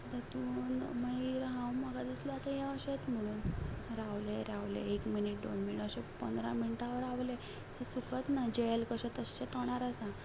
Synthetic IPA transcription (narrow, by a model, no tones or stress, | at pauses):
t̪at̪uːnməiɾɦãwməɡad̪isləat̪ãjãəɕet̪m̤əɽ̃uːnɾaʋleɾaʋlḛekminiʈ̚do̰ɳmiəɕepənd̪ɾa̰miniʈaʋəɾaʋle | t̪esukʰət̪nad͡ʑelkəɕẽt̪əɕt͡ɕet̪əɽ̃aɾəsã